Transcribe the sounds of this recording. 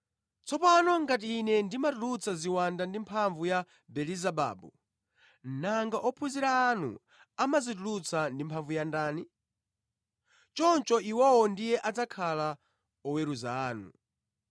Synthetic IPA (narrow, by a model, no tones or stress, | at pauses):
t͡sɔpanɔŋɡat̬iːnɛndimatulut͡sʰaziwandandimpʰaɱvuja | bɛlizaba̰ːbu | naŋɡaʔɔpʰuziɾaːn̤ṵ | amazitulut͡sandimpʰaɱvujandaːni | t͡ʃɔnt͡ʃɔʔiwɔwɔndijɛʔad͡zakʰala | ɔwɛɾuza̰aːnṵ